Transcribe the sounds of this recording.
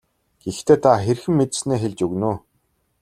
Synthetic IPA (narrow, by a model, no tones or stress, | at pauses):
ɡ̥ext̪ʰeːt̪ʰaxerxɘ̆mːet̪sneːxeɮt͡ɕɵɣnuː